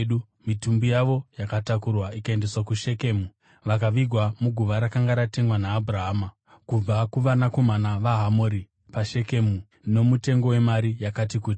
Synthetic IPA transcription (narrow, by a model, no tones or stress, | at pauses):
ɗu | mitumbujaʋo̞jakatakurwaikae̞nde̞swakuʃe̞ke̞mu | ʋak̬aʋiɡʱwamuɡʱuʋaɾakaŋɡaɾate̞ŋwanaːbuɾaɦaːma | kub͡vakuʋanako̞manaʋaɦamoɾi | paʃe̞ke̞mu | no̞mute̞ŋɡo̞we̞maɾijakatikuːti